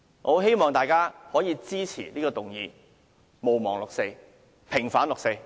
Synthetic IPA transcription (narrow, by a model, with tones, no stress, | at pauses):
ŋo˨˧ɦe˥jmɔː˨ŋt̪aː˨jkaː˥hɔː˨˥jiː˧t͡siː˥t͡sʰḭː˨˩liː˥kɔː˧t̪ʊ˨ŋjiː˧ | mo˨wmɔː˨˩ŋlʊ˨k̚se˧j | pʰɪ˨˩ŋfaː˨˥nlʊ˨kse˧j